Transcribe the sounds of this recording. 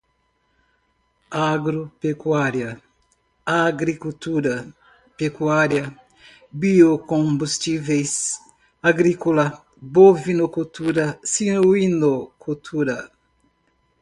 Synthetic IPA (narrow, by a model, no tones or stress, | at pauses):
aɡɾopekwaɾjɐ | aɡɾikut̪uɾɐ | pekwaɾjɐ | biokõbust͡ʃivejs | aɡɾikolɐ | bovinokut̪uɾɐsinoinokut̪ʰuɾɐ